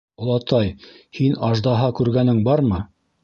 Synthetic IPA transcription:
ŏlˠɑt̪ɑj | hinɑʒd̪ɑɦɑkʉɾɡænɘŋbɑɾmɤ

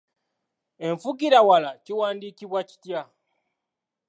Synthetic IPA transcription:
e̞ɱfukiɾawalaciwaːndikiβwaci̥tja

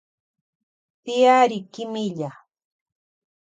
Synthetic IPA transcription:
pɪaɾɪkɪmɪʎa

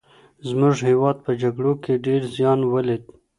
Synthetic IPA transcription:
zmʊʐhewɑd̪̚pəd͡ʒaɡɽokeɖeɾzjɑnwəled̪̚

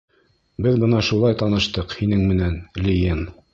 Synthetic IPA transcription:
bɘðbɤ̆nɑʃulˠɑjt̪ɑnɤ̆ʃt̪ɤqhinɘŋmɘ̆nænlʲijɘm

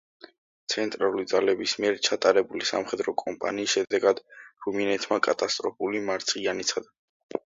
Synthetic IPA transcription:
t̪sʰɛnt̪ʼɾalˠulid̪zalɛbismiɛɾt͡ʃʰat̪ʼaɾɛbulisa̰mχɛd̪ɾɔkʼɔmpʼa̰niːsʃɛd̪ɛɡad̪̥ɾuminɛt̪ʰmakʼat̪ʼast̪ʼɾɔpulimaɾt̪sʰianit̪sʰad̪a

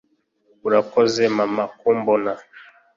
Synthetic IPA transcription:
uɾakɔzɛmamakombɔna

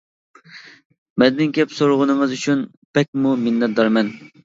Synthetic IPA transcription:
mɛd̪ɪnkʲɛpsoɾʊʁənɨŋɨzyt͡ʃʰyn | pɛk̚ʲmumɪnːɛt̪̚d̪ɑɾmɛn

